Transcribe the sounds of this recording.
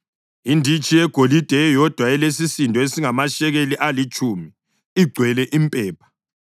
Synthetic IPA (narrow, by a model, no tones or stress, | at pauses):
indʱit͡ʃʼijɛɡ̥ʱolid̥ʱɛjɔd̥ʱwaɛlesisindʱɔesiŋamaʃɛɣeliʔalit͡ʃʼumi | iɡ͡ǀʱwɛlɛʔimpʼɛːpʰḁ